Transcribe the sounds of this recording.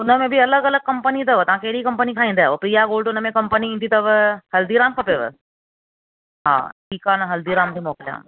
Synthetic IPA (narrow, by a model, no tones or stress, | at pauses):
ʊnəmẽbʱiɐləɡɐləɡ̚kɐ̃mpənit̪ɐʋət̪ɐɦãːkeːɾiikɐ̃mpənikʰaːĩnd̪aʋopɾijaɡoːlɖʊnəmẽkɐmpəniĩnt̪ʰit̪ɐʋhɐld̪iɾaːmkʰɐpeːʋə̰ | ɦã̰ːʈʰiːkaːnaɦɐld̪iɾaːmb̪ʱimɔːklja̰ːm